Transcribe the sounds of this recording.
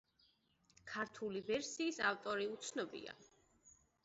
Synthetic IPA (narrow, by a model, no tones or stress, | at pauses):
kʰaɾt̪ʰulivɛɾsiːsaft̪ʼɔɾiut̪sʰnɔbḭa̰